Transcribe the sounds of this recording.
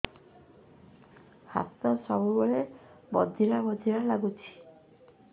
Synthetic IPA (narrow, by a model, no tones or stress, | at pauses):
ha̰st̪ɔsɔbubɔɭebɔd̪ʱiɾabɔd̪ʱiɾalaɡut͡ʃʰi̥